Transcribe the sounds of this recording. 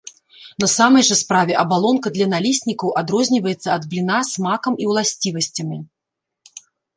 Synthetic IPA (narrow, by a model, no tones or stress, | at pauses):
nɐsamɐjʐɐspɾavʲɛʔɐbalˠɔnkɐd̪lʲɐnalʲisʲnʲikɐwʔad̪ɾɔzʲnʲivɐjɛt̪sːɐɐd̪blʲinasmakɐmiwlˠasʲt͡sʲivɐsʲt͡sʲɐmʲi